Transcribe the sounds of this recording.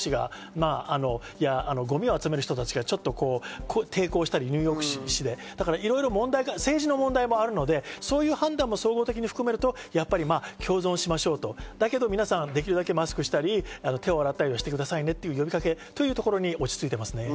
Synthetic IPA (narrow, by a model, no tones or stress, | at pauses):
iɡa̰ | maːano̞jaːno̞ɡo̞mʲio̞at͡sɨme̞ɾɯ̟çi̥t̪o̞t̪at͡ɕiɡat͡ɕo̞t̪ːo̞ko̞ːkʰot̪ʰe̞ːko̞ːɕi̥t̪aɾʲiɲʲɨ̟ːjo̞ːkɯ̟̥ɕiɕid̪e̞d̪̥akaɾaʔiɾo̞iɾo̞mõ̞nd̪aiɡase̞ːʑino̞mõ̞nd̪aimo̞aɾɯ̟no̞d̪e̞so̞ːjɯ̟ːhãnd̪ãm̃ːo̞so̞ːɡo̞ːt̪e̞kʲiɲ̟iɸɯ̥kɯ̟me̞ɾɯ̟t̪o̞japːaɾʲimaːkʲo̞ːzõɰ̃ɕimaɕo̞ːt̪o̞d̪ake̞d̪o̞mʲinasãnd̪e̞kʲiɾɯ̟d̪ake̞masɨ̥kɯ̟ɕi̥t̪aɾʲiano̞t̪ʰe̞o̞aɾat̪ːaɾʲioɕi̥t̪e̞kɯ̟d̪asaine̞t̪ːe̞jɯ̟ːjo̞bʲikake̞t̪o̞jɯ̟ːt̪o̞ko̞ɾo̞ɲ̟io̞t͡ɕi̥t͡sɨit̪e̞masɨne̞